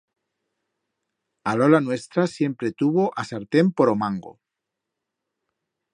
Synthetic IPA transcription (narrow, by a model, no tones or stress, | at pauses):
alolanwe̞st̪ɾasje̞mpɾet̪uβoʔasaɾt̪empoɾomãŋɡo̰